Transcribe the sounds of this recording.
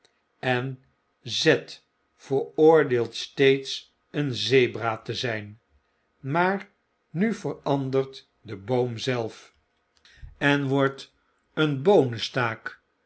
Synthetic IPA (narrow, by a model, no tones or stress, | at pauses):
ɛn | zɛt | fəɹʊːɹdeːlˠtstejts | ənzejbraːtəzɛjn | maːɹ | nyvərɑndərt | dəbowmzɛlˠf | ɛnʋɔɹt | ənbownəstaːk